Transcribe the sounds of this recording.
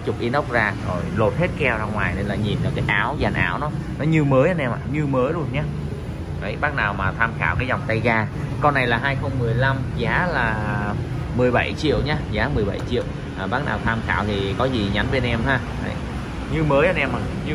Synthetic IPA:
t͡ɕʊ˨˩k͡p̚ʔi˨˦nə˦˥wk͡p̚zaː˧zo˨˩jlo˨˩t̚he˦˥t̚kɛ˧wzaː˧ŋwaː˨˩jne˧nlaː˨˩ɲi˨˩nlaː˨˩kaː˨˦jʔaː˨˦wza˨˩nʔa̰ː˨˦wnɔ˨˦nɔ˨˦ɲɨ˧məː˨˦jʔa˧nʔɛ˧mʔa̰ː˨˩ɲɨ˧məː˨˦jlu˧ənɲaː˨˦ | va˨˦jɓaː˦˥k̚naː˨˩wmaː˨˩t̪ʰaː˧mxa̰ː˧˨wkaː˨˦jzɔ˨˩wŋ͡mt̪a˧jzaː˧kɔ˧na˨˩jlaː˨˩ɦaː˧jxə˧wŋ͡mmɨ˨˩əjla˧mzaː˨˦laː˨˩ | mɨ˨˩əjɓa̰˧˩jt͡ɕḭ˧˨əwɲaː˨˦zaː˨˦mɨ˨˩əjɓa̰˧˩˨jt͡ɕḭ˧˨əw | ʔaː˨˩ɓaː˦˥k̚na̰ː˨˩wt̪ʰaː˧mxa̰ː˧˨wt̪ʰi˨˩kɔ˨˦zi˨˩ɲa˨˦nɓe˧nʔɛ˧mɦaː˧ | a̰˧˦j | ɲɨ˧məː˨˦jʔa˧nʔɛ˧maː˨˩ɲɨ˧

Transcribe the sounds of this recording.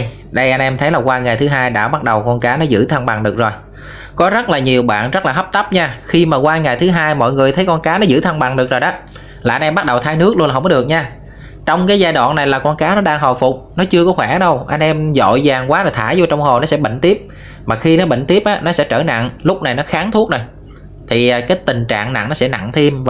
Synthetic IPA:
j | ɗə˧jʔa˧jnʔɛ˧mt̪ʰə˨˦jlaː˨˩kwaː˧ŋa˨˩jt̪ɨ˨˦ɦaː˧jɗa̰ː˧˥˩ɓa˦˥t̚ɗə˨˩wkɔ˧nkaː˨˦nɔ˨˦zɨ̰˧˥˩t̪ʰə˧nɓa˨˩ŋɗɨ˨˩ək̚zo˨˩j | kɔ˨˦zə˦˥t̚laː˨˩ɲi˨˩əwɓa̰ː˧˨nzə˦˥k̚laː˨˩ɦə˦˥p̚t̪ə˦˥p̚ɲaː˧xi˧maː˨˩kwaː˧ŋa˨˩jt̪ʰɨ˨˦ɦaː˧jmɔ̰˧˨jŋɨ˨˩əjt̪ʰə˨˦jkɔ˧nkaː˨˦nɔ˨˦zɨ̰˧˥t̪ʰə˧nɓa˨˩ŋɗɨ˨˩ək̚zo˨˩jɗaː˨˦ | laː˨˩ʔa˧nʔɛ˧mɓa˦˥t̚ɗə˨˩wt̪ʰaː˧˦jnɨ˦˥ək̚lu˧naː˨ɦŋ͡mkɔ˦ɨ˨˩ək̚ɲaː˧ | t͡ɕɔ˧wŋ͡mkaː˨˦jzaː˧jɗwa̰ː˧˨nːa˨˩jlaː˨˩kɔ˧nkaː˨˦nɔ˨˦ɗaː˧ŋɦo˨˩jfʊ˨˩k͡p̚nɔ˨˦t͡ɕɨ˧əkɔ˨˦xwɛ˧˩ɗə˧wʔa˧jŋ̟ʔɛ˧mzo̰˧˨jzaː˨˩ŋkwaː˨˦laː˨˩t̪ʰaː˧˩˦jzɔ˧t͡ɕɔ˧wŋ͡mho˨˩nɔ˨˦sɛ̰˧˥ɓə̰˧˨ŋ̟t̪i˦˥əp̚ | maː˨˩xi˧nɔ˨˦ɓə̰˧˨ŋ̟t̪i˦˥əp̚ʔaː˨˦nɔ˨˦sɛ̰˧˥t͡ɕəː˧˩na̰˧˨ŋlʊ˦˥k͡p̚na˨˩jnɔ˨˦xaː˨˦ŋt̪ʰu˦˥ək̚na˨˩j | t̪ʰi˨˩˨kaː˨˦jt̪ï˨˩ŋ̟t͡ɕa̰ː˧˨ŋna̰˧˨ŋnɔ˨˦sɛ˧˥na̰˧˨ŋt̪ʰi˧mv

